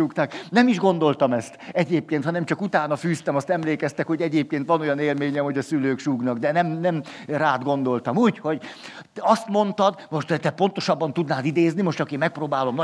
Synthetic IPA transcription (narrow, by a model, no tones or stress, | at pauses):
ukt̪aːknɛmiʒɡo̞nd̪o̞lt̪ɒmɛst̪ɛɟeːp̚keːnt̪hɒnɛmt͡ʃɒkut̪aːnɒfyːst̪ɛmɒst̪ɛmleːkɛst̪ɛkho̞ɟɛɟeːp̚keːnt̪ʋɒnojɒneːlmeːɲɛmho̞ɟɒsyløːkʃuːɡnɒɡd̪ɛnɛmnɛmraːd̪ɡo̞nd̪o̞lt̪ɒmuːcho̞ɟ | ɒst̪mo̞nt̪ɒd̪mo̞ʃt̪t̪ɛpo̞n̪t̪o̞ʃɒbːɒnt̪ud̪naːd̪id̪eːznimo̞ʃt̪ɒkeːmɛk̚proːbaːlo̞mnɒ